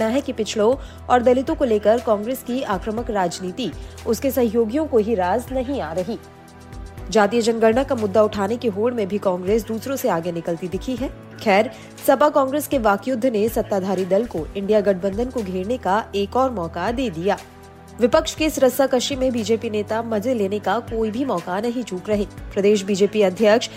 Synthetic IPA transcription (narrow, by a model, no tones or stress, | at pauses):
naɦɛkipɪt͡ʃʰɭõ | ɔːɾd̪ɐlɪt̪õkoleːkəɾkɔ̃ːŋɡɾeːskiaːkɾəməkɾaːd͡ʒniːt̪iʊskesɐ̃ɦjoːɡjõkoɦiɾaːznɐɦĩaːɾɐɦiː | d͡ʒaːt̪ijəd͡ʒənɡəɾɳakamʊd̪ːaʊʈʰaːnekiɦoːɽmẽbʱikɔ̃ːŋɡɾeːsd̪uːsɾõseaːɡenɪkəlt̪id̪ɪkʰiɦɛː | xɛːɾ | sɐbakɔ̃ːŋɡɾeːskeʋaːkjʊd̪ʱːnesɐt̪ːaːd̪ʱaːɾid̪ɐlkoʔɪ̃ɳɖijaɡɐʈ̚ʰbə̃nd̪ʱənkoɡʱeːɾnekaeːkɔːɾmɔːkad̪eːd̪ijaː | ʋɪpəkʃkesɾəsakɐʃimẽbiːd͡ʒeːpineːt̪amɐd͡ʒeleːnekakoːibʱimɔːkanɐɦĩt͡ʃuːkɾɐɦeːpɾɐd̪eːʃ̬biːd͡ʒeːpiɐd̪ʱjəkʃ